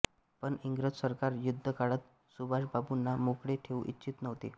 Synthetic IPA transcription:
pəɳiŋɡɾəd͡ʑsəɾkaɾjud̪ʱːəkaɭət̪̚ | subʱaɕbabunːamokɽeʈʰeuʔitːɕit̪nəʋt̪e

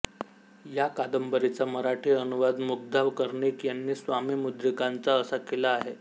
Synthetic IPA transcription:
jakad̪əmbəɾit͡saməɾaʈʰiənuʋad̪muk̚d̪ʱaʋkəɾɳekjanːiːsʋamiːmud̪ɾikant͡saəsakelaːɦe

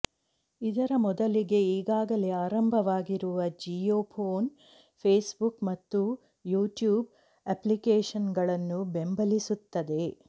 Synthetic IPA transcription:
id̪ɐɾɐmɔd̪ɐliɡe̞iːɡaːɡɐleaːɾɐmbʱɐʋaːɡiɾuʋɐd͡ʒijoːpʰoːn | pʰeːsbukmɐt̪ːu | juːʈjuːb̚ | ɐplikeːʂɐnɡɐɭɐnːube̞mbɐlisut̪ːɐd̪e̞

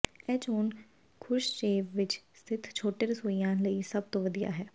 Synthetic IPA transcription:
ɛːt͡ʃoːn | kʰʊɾʃʃeːʋʋɪt͡ʃst̪ʰɪt̪ʰt͡ʃʰoːʈeɾəsoːijãːnləiːsəb̚t̪õːʋəd̪ija̰ːɦɛː

